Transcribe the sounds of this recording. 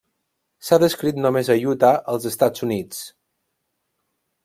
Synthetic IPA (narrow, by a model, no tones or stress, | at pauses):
saðəskɾit̪nomezəjut̪aʔəlˠzəst̪ad͡zunit͡s